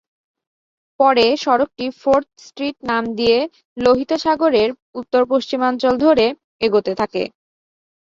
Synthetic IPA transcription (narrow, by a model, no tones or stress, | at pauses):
pɔɾeʃɔɾok̚ʈifoɾt̪̚ʰsʈɾiʈ̚namd̪ije | loɦit̪oʃaɡoɾeɾ | ut̪ːoɾpoʃt͡ɕimant͡ɕold̪ʱoɾe | eɡot̪et̪ʰakḛ